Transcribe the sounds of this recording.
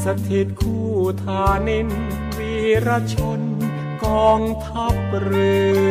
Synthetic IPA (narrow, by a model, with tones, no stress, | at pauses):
sa˧t̪ʰi˨˩t̪̚kʰuː˧˩t̪ʰaː˧ne˧˥n | piː˧˩ɾa˧˥t͡ɕʰo˧˥n | kɔː˧ŋt̪ʰa˦˥p̚ɾɯː˧˩